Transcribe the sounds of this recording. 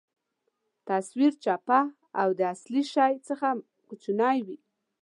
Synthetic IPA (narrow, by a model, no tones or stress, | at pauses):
t̪aswiɾt͡ʃapa | awd̪əasliʃajt͡səxa | kʊt͡ʃunɑjwi